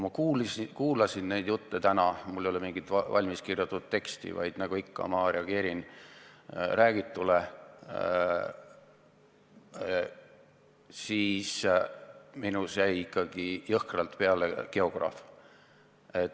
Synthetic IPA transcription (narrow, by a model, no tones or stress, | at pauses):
mɑkuːlskuːlɑsinne̞jd̪̥jut̪ːet̪ænɑmulːejolemiŋɡ̥id̪ɑvɑ̰lʲmiskirjut̪ːˑud̪̥t̪e̞kst̪ḭvɑ̰jd̪̥nɑɡ̥uikːɑ̰mɑɾeɑɡ̥e̞ːɾin | ɾæːɡ̥it̪ːˑule | siːs | minusæjikˑːɑɡ̥ijɤhkrɑlt̪pe̞ɑlḛke̞o̞ɡ̥rɑ̰f | e̞t̪ː